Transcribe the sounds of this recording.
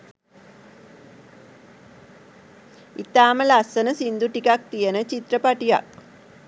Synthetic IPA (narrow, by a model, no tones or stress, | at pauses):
it̪aːməlasənəsind̪uʈikak̚t̪ijənət͡ʃit̪rəpaʈija̰k̚